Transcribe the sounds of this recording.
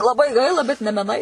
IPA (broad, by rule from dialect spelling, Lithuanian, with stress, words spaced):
lˠɐˈbɐɪ ˈɡɐɪlˠɐ bʲɛt nʲɛ mʲɛˈnɐɪ